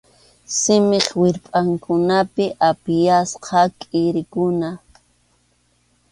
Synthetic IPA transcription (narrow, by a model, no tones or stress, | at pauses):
sɪmeχwɪɾpʼaŋkʊnapɪʔapɪjasqʰɑkʼɪɾɪkʊna